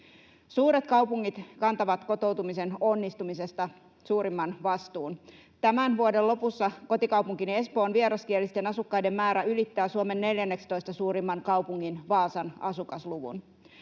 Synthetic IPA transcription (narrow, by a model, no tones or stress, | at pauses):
suːɾe̞t̪kɑwpuŋːit̪kɑnt̪ɑʋɑt̪ko̞t̪o̞wt̪umise̞nonːist̪umise̞st̪ɑ | suːɾimːɑnʋɑst̪uːn | t̪æmænʋuodelo̞pusːɑko̞t̪ikɑwpuŋkine̞spo̞ːnʋieɾɑskiælːist̪e̞nɑsukːɑjde̞mːæːɾæylit̪ːæːsuome̞nːe̞ljænːekst̪o̞jst̪ɑsuːɾimːɑŋkɑwpuŋːinʋɑːsɑnɑsukɑsluʋṵn